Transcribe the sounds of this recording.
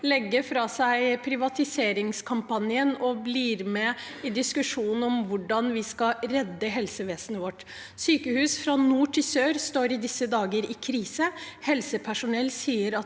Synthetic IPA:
lɛɡːəɾfɾɑːsæɪpʰɾɪʋɑt̪ɪseːɾɪŋskʰɑmpɑnɪənɔbliːɾmɛ | ɪd̪ɪskʉʂuːn̩ɔmʋʊɖɑnʋɪskɑɾɛd̪ːəɦɛlsəʋeːsənəʋɔʈː | syːkəhʉːsfɾɑnuːʈʰɪsøːɾst̪oːɾɪd̪ɪsːəd̪ɑːɡəɾɪkʰɾiːsəhɛlsəpʰæʂʊnɛlːsiːəɾɑ

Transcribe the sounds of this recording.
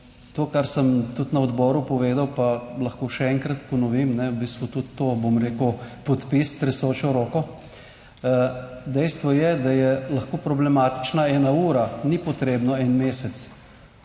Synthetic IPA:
t̪oːkaɾsəmt̪ut̪nɐɔd̪bɔɾupɔʋeːd̪awpalɐxkoːʃɛɛŋkɾɐt̪pɔnɔʋimnɛwbiːst̪ʋut̪ut̪ːoːbomɾeːkupɔt̪pist̪ɾɛsoːt͡ʃɔɾoːkɔ | d̪ɛjst̪ʋɔjɛd̪ajɛlɐxkoːpɾɔblɛmaːt̪i̥t͡ʃnaɛːnauːɾanipɔt̪ɾeːbnɔɛnmeːsɛt̪s

